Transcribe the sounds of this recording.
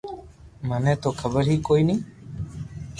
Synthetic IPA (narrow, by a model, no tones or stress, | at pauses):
mənẽːt̪oːkʰəbəɾɦiːkoːiːnĩː